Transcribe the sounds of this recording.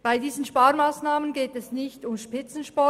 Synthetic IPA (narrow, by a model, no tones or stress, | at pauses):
b̥aɪdiːzən̩ʃpaːɾmaːsnaːmənɡeːtɛsnɪçtʊmʃpɪt͡sn̩ʃpɔ